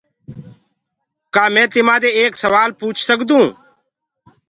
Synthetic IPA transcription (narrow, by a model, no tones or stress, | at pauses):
kaːmɛ̃ːt̪ɪmãːd̪eːeːksəʋaːlpuːt͡ʃʰsəkd̪ũː